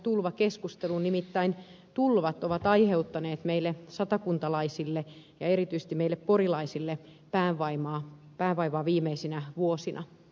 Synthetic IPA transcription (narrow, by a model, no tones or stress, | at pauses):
t̪ulʋɑkeskust̪elunnimit̪ːæin | t̪ulʋɑt̪oʋɑt̪ɑiheut̪ːɑneːt̪meilːesɑt̪ɑkunt̪ɑlɑisilːe | jɑeɾit̪yise̥t̪imeilːepporilɑisilːe | pæːʋʋɑimɑː | pæːʋʋɑiʋɑːʋiːmeisinæʋuosinɑ̰